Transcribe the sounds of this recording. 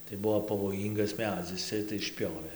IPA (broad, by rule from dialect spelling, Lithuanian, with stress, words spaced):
tɐɪ ˈbʊʋoː pɐʋoːˈjiːŋɡɐs ˈmʲæːd͡zʲɪs ˈt͡sʲɛ tɐɪ ɪʃʲˈpʲoːʋʲeː